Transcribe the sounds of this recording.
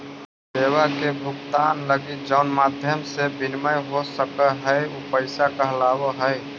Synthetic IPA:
seːwakebʱʊɡt̪aːnləɡɪt̪̚d͡ʒəʊnmaːd̪ʱjəmsebɪnməjɦosəkəɦəeupəɪsakaɦlaːwəɦəj

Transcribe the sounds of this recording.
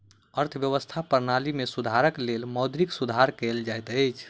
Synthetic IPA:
əɾt̪ʰəʋjəʋəst̪ʰapəɾnalimesud̪ʱaɾəklelməd̪ɾiksud̪ʱaɾkeld͡ʒajt̪əjt͡ʃʰ

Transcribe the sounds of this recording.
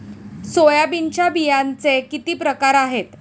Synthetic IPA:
sojabint͡ɕjabijant͡sekit̪iːpɾəkaɾaɦet̪

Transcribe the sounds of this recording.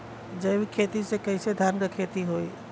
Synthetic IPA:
d͡ʒəbikʰeːt̪isekəɪsed̪ʱaɾŋɡəkʰeːt̪iɦoi

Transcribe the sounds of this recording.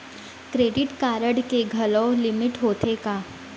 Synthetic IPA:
kɾeːɖiʈkaːɾəɽkeɡʱəlɔlimiʈɦoːt̪ʰeka

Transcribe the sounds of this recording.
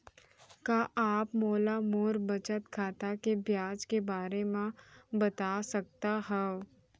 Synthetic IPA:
kaːʔaːpmoːlamoːɾbɐt͡ʃət̪kʰaːt̪akebʱjaːd͡ʒkebaːɾemãbɐt̪asɐk̚t̪aɦɛo

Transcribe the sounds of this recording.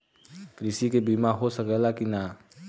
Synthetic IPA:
kɾɪsikebimaɦosəkɛlakina

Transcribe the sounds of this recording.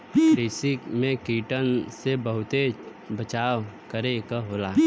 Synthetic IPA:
ɾeːsikmẽkiːʈənsebəɦʊt̪e | bət͡ʃaːʋkəɾekaɦoːlaː

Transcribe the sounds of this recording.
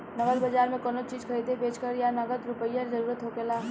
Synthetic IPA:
nɐɡəd̪bɐd͡ʒaːɾmẽkonot͡ʃiːd͡ʒkʰɐɾiːd̪ebeːt͡ʃkəɾjanɐɡəd̪ɾʊpəijaɾzɐɾuːɾət̪ɦoːkelaː

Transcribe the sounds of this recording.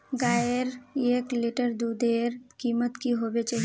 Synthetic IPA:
ɡaːjəɾeːklɪʈəɾd̪ud̪eːɾkiːmət̪kiɦobet͡ʃaɦi

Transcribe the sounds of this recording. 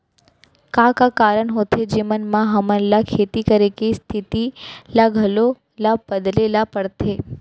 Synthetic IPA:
kãkakaɾəɳɦot̪ʰed͡ʒimənmãɦəmənlakʰet̪ikəɾekist̪ʰit̪ilaɡʱəlo | labəd̪lelapəɽt̪ʰe

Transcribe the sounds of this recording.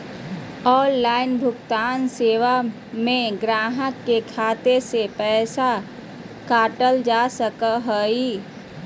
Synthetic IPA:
ɔːllaːɪnbʱʊkt̪aːnseːʋa | mẽɡɾaːɦəkkekʰaːt̪esepɛːsa | kaːʈəld͡ʒaːsəkəɦoːi

